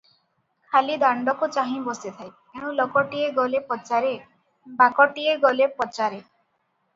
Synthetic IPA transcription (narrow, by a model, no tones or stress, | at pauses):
kʰalid̪aɳɖɔkut͡ʃaɦĩbɔsit̪ʰaj | eɽ̃ũlɔkɔʈieɡɔlepɔt͡ʃaɾe | bakɔʈieɡɔlepɔt͡ʃaɾe